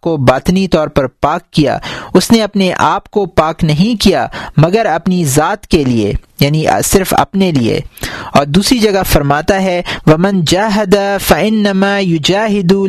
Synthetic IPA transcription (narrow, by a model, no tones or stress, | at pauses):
kobaːt̪nit̪ɔːɾpɐɾpaːkːija̰ʊsneɐpneʔaːpkopaːknɐɦĩkijamɐɡəɾɐpnizaːt̪keliḛjaːnisɪɾfɐ̰pneliḛɔːɾd̪uːsɾid͡ʒɐɡafɐɾmaːt̪aɦɛʋɐmɐ̃nd͡ʒaːɦɐd̪afɐɪnːɐmaːjʊd͡ʒaːɦɪd̪u